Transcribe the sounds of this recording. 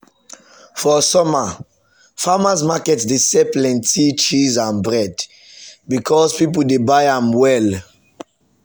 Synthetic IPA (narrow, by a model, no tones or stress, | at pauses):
fɔsɔma | famas̬makɛtsdesɛplɛ̃ntʰit͡ʃizãnbɹɛd | bikʰɔspip̬əl̩debaɪãmwɛl